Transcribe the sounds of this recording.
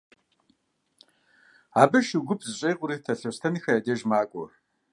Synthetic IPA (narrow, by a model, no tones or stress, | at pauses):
aːbɨʃiɡʷʊpʰzɨɕʼejqʼʷʊɾiːtʰɐɬɐwstʰɐniːxɐjaːdeʒmaːɡʷʼɔr